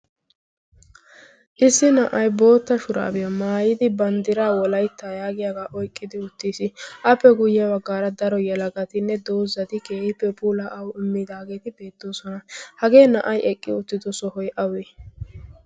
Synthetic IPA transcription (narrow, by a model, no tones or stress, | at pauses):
ʔɪsːɪnɐʔɐjbo̞ːt̪ːɐʃʊɾa̰ːbɪjɐmaːjɪd̪ɪbɐnd̪ɪɾaːwɔlɐjt̪ːajaːɡɪjaɡaːʔɔjkʼːɪd̪ɪʊt̪ːiːsɪʔɐpːɛɡʊjɛbɐɡːaːɾɐd̪ɐɾɔjɛlɐɡɐt̪ɪnːɛd̪ɔwzɐt̪ɪke̞ːhɪpːɛpʼuːlaʔɐwɪmːɪd̪aːɡe̞ːt̪ɪbe̞ːt̪ːo̞ːsɔnɐhɐɡe̞ːnɐʔɐjʔɛkʼːɪʊt̪ːɪd̪ɔsɔhɔjʔɐweː